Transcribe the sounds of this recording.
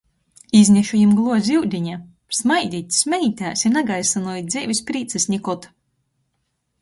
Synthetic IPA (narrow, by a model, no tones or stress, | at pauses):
izʲnʲɛʃujimɡlˠuɔzʲiwd̪ʲiɲa | smajd̪ʲiːt̪ʲsmʲɛit̪ʲaːsʲinaɡajsanuɔjid̪zʲɛvʲisʲpɾiːt̪sɛsʲnʲikɔt̪